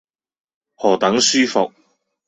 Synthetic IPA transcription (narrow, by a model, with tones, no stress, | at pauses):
hɔː˨˩t̪ɐ˨˥ŋsyː˥fʊ̰˨k̚